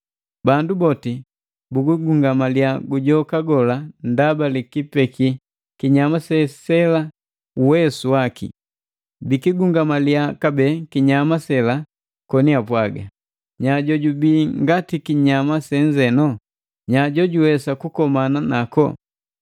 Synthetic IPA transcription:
bandubɔti | buɡuɡuŋɡamaliaɡuɟɔkaɡɔlandabalikipɛki | kiɲamasɛsɛla | uwɛsuwakḭ | bikiɡuŋɡamaliakabɛkiɲamasɛla | kɔniapwaɡa̰ | ɲaɟɔɟubiŋɡatikiɲamasɛɲd͡ʒɛnɔ | ɲaɟɔɟuwɛsakukɔmananakɔ̰

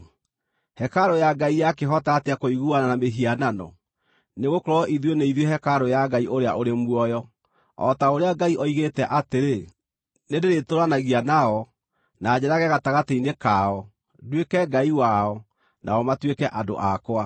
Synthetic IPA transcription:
hɛkaɾojaɡaijakeɦɔtaɣateakoiɣuananameɦiananɔ̰ | neɣokoɾɔɔʔiðwoneiðjehɛkaɾojaɡaiʔoɾeaʔoɾemwɔjɔ | ɔ̰taoɾeaɡaiʔɔiɣetɛʔateɾe | nedeɾetoɾanaɣianaɔ | naːd͡ʑɛɾaɣɛɣataɣateinekaɔ | dwekɛɡaiwaɔ | nʔa̰ɔmatwekɛʔado̰ʔakoa

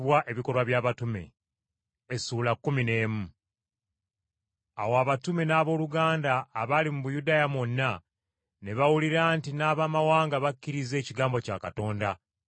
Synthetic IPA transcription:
βwaʔe̞βiko̞ɾwaβjaːβatume̞̰ | esuːlakːumine̞ːmu | awaβatume̞naːβo̞ːluɡaːndaːβalimuβujudaːjamonːa | ne̞βawuliɾaːntinaːβaːmawaːŋɡaβakːiɾize̞ːciɡaːmbo̞ca̰ːkato̞ːnda

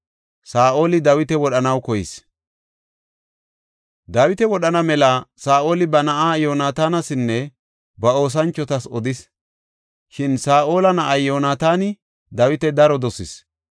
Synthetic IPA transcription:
saːʔo̞ːlɪd̪ɐwɪt̪ɛwɔɗɐnɐwkɔjɪs | d̪ɐwɪt̪ɛwɔɗɐnɐmɛlɐsaːʔo̞ːlɪbɐnɐʔaːjo̞ːnaːt̪aːnɐsɪnːɛ | bɐo̞ːs̬ɐnt͡ʃːɔt̪ɐsɔd̪ɪs | ʃɪnsaːʔo̞ːlɐnɐʔajjo̞ːnaːt̪aːnɪ | d̪ɐwɪt̪ɛd̪ɐɾɔd̪ɔsɪs

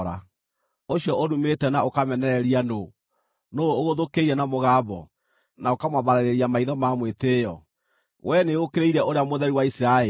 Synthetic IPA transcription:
ɾa̰ | oɕjɔʔoɾumetɛnaokamɛnɛɾɛɾiano | nooɣoðokeiɾɛnamoɣaːbɔ̰ | naokamwaβaɾaɾeɾiamaiðɔmamweteːjɔ | wʔɛneokeɾeiɾɛʔoɾeamoðɛɾiwaisɾae

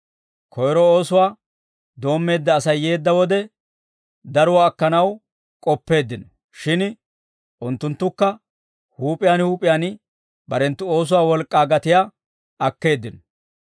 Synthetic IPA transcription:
kʰɔjɾɔo̞ːsʊwaː | d̪o̞ːmːe̞ːd̪ːɐːsɐjːe̞ːd̪ːɐwɔd̪ɛ | d̪ɐɾʊwaːkːɐnɐw | kʼɔpːe̞ːd̪ːɪnɔ | ʃɪn | ʔʊnt̪ːʊnt̪ːʊkːɐ | huːpʼɪjaːnhuːpʼɪjaːn | bɐɾɛnt̪ːʊo̞ːs̬ʊwaːwɔlkʼːaːɡɐt̪ɪja | ɐkːe̞ːd̪ːɪnɔ

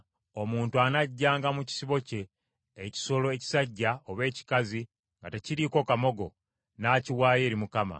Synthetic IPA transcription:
o̞muːntuanaɟːaːŋɡamuci̥siβo̞ce̞ː | ci̥so̞lo̞eci̥saɟːaoβe̞ːci̥kazi | ŋɡate̞ciɾiːko̞kamo̞ɡo̞ | naːciwaːje̞ːɾimukama̰

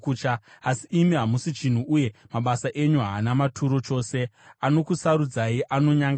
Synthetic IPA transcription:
ut͡ʃa | asiʔːmiɦamusit͡ʃin̤uʔuje̞maɓasaʔe̞ɲuɦaːnamatʰuɾo̞t͡ʃo̞ːse̞ano̞kusaɾud͡zaiʔano̞ɲaŋɡ

